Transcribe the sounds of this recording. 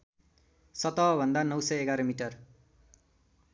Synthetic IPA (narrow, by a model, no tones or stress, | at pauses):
sʌt̪ʌɦʌbʱʌnd̪anʌwsʌjeɡaɾʌmiʈʌr